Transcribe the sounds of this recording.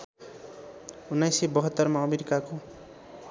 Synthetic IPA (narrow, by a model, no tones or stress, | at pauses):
unːajsibʌɦʌt̪ːʌrmaʌmeɾikako